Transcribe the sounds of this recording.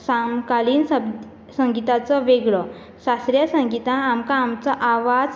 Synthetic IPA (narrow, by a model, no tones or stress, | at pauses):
samkaliːnsəb | sə̃ŋɡit̪at͡sɔʋeɡɭɔ | ɕasɾjasə̃ŋɡit̪ãːmkaːmt͡sɔʔaʋad͡z